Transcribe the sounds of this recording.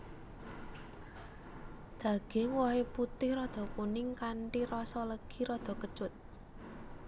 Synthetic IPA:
d̪̥ä̤ɡ̥eŋwɔɦeput̪ɪhrɔd̪̥ɔ̤kunɪŋkaɳʈirɔsɔləɡ̥i̤ɾɔd̪̥ɔ̤kət͡ʃʊt̪̚

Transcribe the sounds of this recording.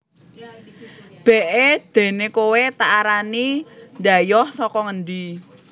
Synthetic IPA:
b̥ɛ̤ʔed̪̥e̤nekowet̪aaɾanind̪ajɔhsɔkɔŋənd̪i

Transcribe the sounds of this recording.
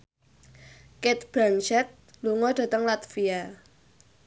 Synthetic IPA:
ket̪̚b̥ɾant͡ʃɛt̪̚luŋɔd̥ä̤t̪əŋlat̪fia

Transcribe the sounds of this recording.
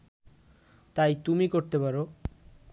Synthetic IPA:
t̪ajt̪umikoɾt̪epaɾo

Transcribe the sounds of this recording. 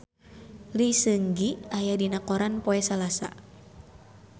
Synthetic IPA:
lisəŋɡiajadinakɔɾanpoɛsalasa̰

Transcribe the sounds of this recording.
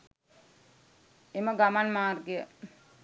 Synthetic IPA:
eməɡamanmaːrɡejə

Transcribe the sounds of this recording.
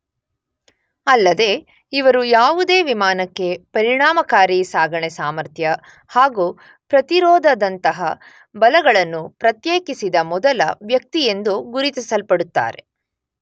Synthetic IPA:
ɐlːɐd̪e̞ː | iʋɐɾujaːʋud̪e̞ːʋimaːnɐkːe̞pɐɾiɳaːmɐkaːɾiːsaːɡɐɳɛsaːmɐɾt̪ʰjɐ | haːɡuː | pɾɐt̪iɾɔːd̪ʱɐd̪ɐnt̪ɐɦɐ | bɐlɐɡɐɭɐnːupɾɐt̪jeːkisid̪ɐmɔd̪ɐlɐ̰ʋjɐk̚t̪ije̞nd̪uɡuɾit̪isɐlpɐɽut̪ːa̰ːɾe

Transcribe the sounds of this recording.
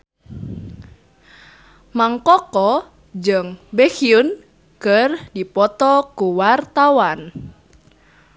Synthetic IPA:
maŋkɔkɔ | d͡ʒəŋbexiun | kərdipɔt̪ɔkuwart̪awan

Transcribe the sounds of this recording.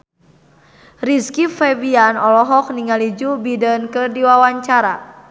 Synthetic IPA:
riskifɛvianɔlɔɦɔk̚niŋalid͡ʒubidənkərdiwawaɲt͡ʃaɾa

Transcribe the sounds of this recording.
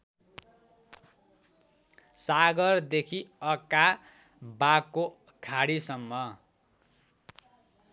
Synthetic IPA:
saɡʌrd̪ekʰiʌka | bakːo | kʰaɽisʌmːʌ

